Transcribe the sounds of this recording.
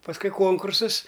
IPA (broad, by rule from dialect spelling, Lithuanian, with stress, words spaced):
pɐsˈkʊɪ ˈkoːŋkʊrsɐs